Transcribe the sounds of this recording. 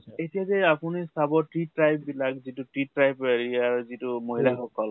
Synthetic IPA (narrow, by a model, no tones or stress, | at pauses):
etijazɛapunisabɔʈɾiʈɾajbbilakzituʈɹiʈɹajbeɹiaɹzitumoɦilaxɔkɔl